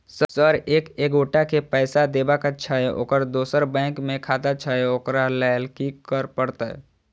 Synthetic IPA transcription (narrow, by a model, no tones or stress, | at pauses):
ssəɾeːkeːɡoːʈakepɛːsad̪eːbakat͡ʃʰaeʔo̰ːkəɾd̪oːsəɾbɛ̃ːkmẽkʰaːt̪at͡ʃʰaeoːkɾalɛːjlkikəɾpəɽt̪a̰